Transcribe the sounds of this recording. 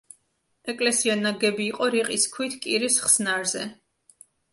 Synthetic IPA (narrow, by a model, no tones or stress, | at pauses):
ɛkʼlɛsianaɡɛbiːqʼɔɾiqʼiskʰwit̪ʰkʼiɾisχsnaɾzɛ